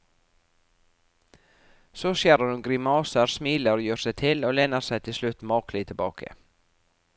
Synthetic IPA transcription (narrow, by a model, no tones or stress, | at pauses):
soːʃjeːɾɑʉːɡɾɪmɑːsəɾsmiːləɾoːjøːsæɪt̪ʰɪloːlɛnːəɾsæɪt̪ʰɪlslʉt̪mɑːklɪt̪ʰɪlbɑ̰ːkʰə̰